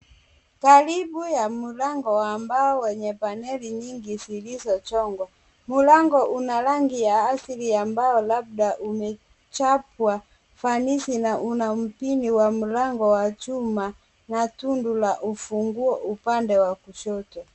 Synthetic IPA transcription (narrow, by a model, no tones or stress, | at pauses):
kalibujamulaŋɡɔwambaɔwɛɲɛpanɛliɲiŋɡisilisɔt͡ʃɔŋɡɔ | mulaŋɡɔʔunalaŋɡijaːsiliambaɔlab̚daʔumɛ | t͡ʃapwa | fanisinaʔunam̩piniwamulaŋɡɔwat͡ʃuma | natundulaʔufuŋɡuɔʔupandɛwakuʃɔtwa